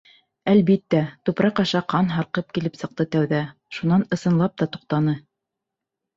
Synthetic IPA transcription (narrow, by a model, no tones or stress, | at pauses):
ælβit̪ːæt̪ʉpɾɑqɑʃɑqɑnɦɑɾqɤp̚kilɘpsɤ̆q̚t̪ɤt̪æwðæ | ʃunɑnɤ̆sɤ̆nlˠɑp̚t̪ɑt̪u̥q̚t̪ɑnɤ